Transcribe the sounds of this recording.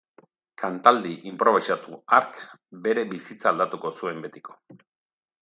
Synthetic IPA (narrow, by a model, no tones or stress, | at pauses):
kant̪ald̪iʔimpɾo̞βisat̪uaɾkbe̞ɾe̞βisit͡saːld̪at̪uko̞sue̞mbe̞t̪iko̞